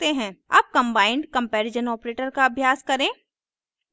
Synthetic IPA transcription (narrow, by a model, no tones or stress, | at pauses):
t̪eɦɛ̃ːa̰ːp̚kɐ̃mbaːɪ̃ɳɖkɐ̃mpɛːɾɪd͡ʒənɔːpɾeːʈəɾkaɐbʱjaːskɐɾẽː